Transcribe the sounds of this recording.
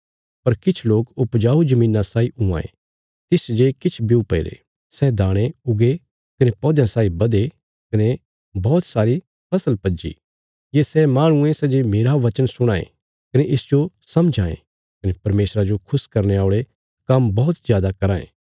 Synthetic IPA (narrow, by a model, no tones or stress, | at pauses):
pɐɾkɪt͡ʃʰloːkʊpd͡ʒaːud͡ʒɐmĩːnasaːiʊã̰ːḛ̃ | t̪ɪsd͡ʒekɪt͡ʃʰbiupeːɾḛ | sɛd̪ʱaːɽ̃eʊɡe | kɐnepɔːd̪jãsaːibɐd̪e | kɐne | bɔːt̪saːɾi | pʰɐsəlpɐd͡ʒḭ | jesɛmaːɽ̃ʊ̃ẽsɛd͡ʒemeːɾaʋɐt͡ʃənsʊɽ̃aːḛ̃ | kɐneʔɪsd͡ʒo | sɐ̃md͡ʒʱaːḛ̃ | kɐnepɐɾmeːsɾad͡ʒokʰʊskɐɾneaːɭe | kɐmbɔːt̪zjaːd̪akɐɾãːḛ̃ː